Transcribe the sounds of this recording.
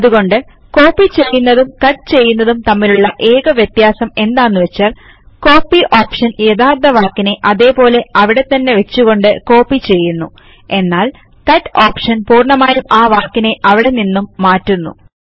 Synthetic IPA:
ɐðuɣo̞ɳɖɨ | ko̞ːpːit͡ɕe̞jːunːɐðumkɐʈt͡ɕe̞jːunːɐðumt̪ɐmːiluɭːɐʔe̞ːɣɐʋjet̪jaːsɐme̞nd̪aːnːuʋet͡ɕːaːl | ko̞ːpːiʔoːpʂɐnje̞ðaːrt̪ɐʋaːkːine̞ʔɐðe̞ːpo̞ːle̞ɐʋiɽe̞t̪ɐnːe̞ʋe̞t͡ɕːuɣo̞ɳɖɨko̞ːpːit͡ɕe̞jːunːu | e̞nːaːl | kɐʈːoːpʂɐnpuːrɳɐmaːjumaːʋaːkːine̞ʔɐʋiɽe̞ninːumːaːtːunːṵ

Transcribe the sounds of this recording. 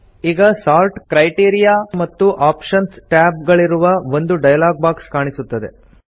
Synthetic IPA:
iːɡɐsaːlʈkɾɐjʈiːɾijaːmɐt̪ːuʔaːpʃɐnsʈaːbp̚ɡɐɭiɾuʋɐo̞nd̪uɖɐjɐlaːɡ̚baːkskaːɳisut̪ːɐd̪e̞̰

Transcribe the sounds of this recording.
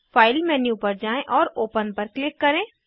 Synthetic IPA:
faːɪlmɛːnjupɐɾd͡ʒaːẽʔɔːɾoːpənpɐɾklɪkːɐɾẽː

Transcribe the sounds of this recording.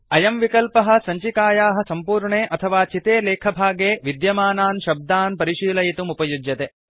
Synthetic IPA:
ɐjɐmʋikɐlpɐɦɐ̆sɐɲt͡ʃikaːjaːɦɐ̆sɐmpuːɾɳeːʔɐt̪ʰɐʋaːt͡ʃit̪eːleːkʰɐbʱaːɡeːʋid̪jɐmaːnaːnʃɐb̚d̪aːnpɐɾiʃiːlɐjt̪umupɐjud͡ʒjɐt̪eː

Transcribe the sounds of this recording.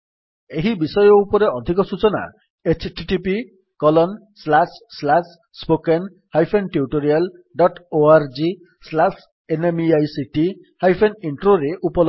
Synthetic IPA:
eɦibisɔjɔupɔɾeɔd̪ʱikɔsut͡ʃɔna̰ | et͡ʃʰʈiʈipi | kɔlɔn | slasslas | spoken | hajpʰenʈjuʈoɾialɖɔʈoaɾd͡ʒi | slas | enemiajsiʈi | hajpʰeniɳʈɾoɾeʔupɔlɔ

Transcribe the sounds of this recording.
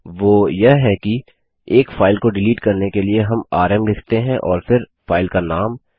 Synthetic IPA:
ʋoːjɐɦɦɛki | eːkfaːɪlkoɖɪliːʈkɐɾnekelieɦɐmaːɾɛmlɪkʰt̪eɦɛ̃ʔɔːɾfɪɾ | faːɪlkanaːm

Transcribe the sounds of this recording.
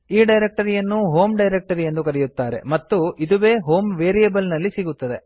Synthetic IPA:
iːɖɐjɾek̚ʈɐɾijɐnːuɦo̞ːmɖɐjɾek̚ʈɐɾijend̪ukɐɾɛjut̪ːaːɾe̞̰mɐt̪ːuid̪uʋeːɦoːmʋeːɾijɐbɐlnɐlːisiɡut̪ːɐd̪e

